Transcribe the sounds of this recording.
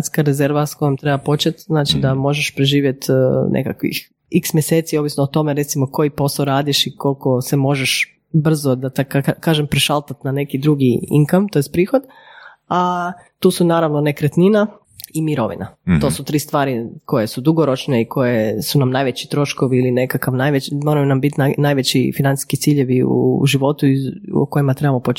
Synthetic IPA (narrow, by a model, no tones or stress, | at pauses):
t̪skaɾeze̞ɾʋasko̞jomt̪ɾebapo̞t͡ʃet̪znaːt͡ʃid̪amo̞ʒeʃpɾeʒiːʋje̞t̪nʔḛkakʋḭx | iksmʲjeseːt̪siobʋisnoːt̪o̞meɾe̞t̪simoko̞jipo̞saoɾaːd̪iʃikolko̞se̞mo̞ʒeʃ | br̩zod̪at̪akakaːʒempɾeʃalˠt̪at̪nane̞kid̪ɾuɡiḭŋkamt̪ojest̪pɾiːxod̪ | a | t̪uːsunaːɾaʋnonekɾet̪nina | imiɾo̞ʋḭnat̪o̞ːsut̪ɾiːst̪ʋaːɾiko̞je̞sud̪uɡoɾo̞t͡ʃneikʰo̞jesunamnajʋet͡ɕi̥t̪ɾo̞ʃkoʋiːline̞kakaʋnajʋet͡ɕmo̞ːɾajunambit̪anajʋet͡ɕḭfinant̪i̥skit̪siːʎeʋiṵʒiʋo̞t̪uio̰ko̞jimat̪ɾe̞bamopot͡ʃ